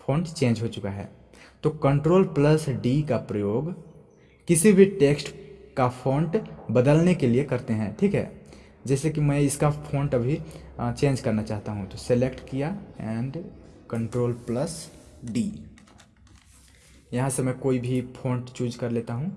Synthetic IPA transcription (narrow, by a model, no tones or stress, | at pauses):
pʰõːɳʈt͡ʃẽːnd͡ʒɦot͡ʃʊkaɦɛ̰ː | t̪oːkɐ̃ɳʈɾoːlplɐsɖikapɾɐjoːɡ | kɪsibʱiʈeːksʈkapʰõːɳʈbɐd̪əlnekeliekɐɾt̪eɦɛ̃ʈʰiːkɦɛ̰ː | d͡ʒɛːsekimɛ̃ɪskapʰõːɳʈɐbʱit͡ʃẽːnd͡ʒkɐɾnat͡ʃaːɦt̪aɦũt̪oselekʈkijaɛ̃ːɳɖkɐ̃ɳʈɾoːlpləsɖiː | jɐɦãsemɛ̃koːibʱipʰõːɳʈt͡ʃuːd͡ʒkɐɾleːt̪aɦũ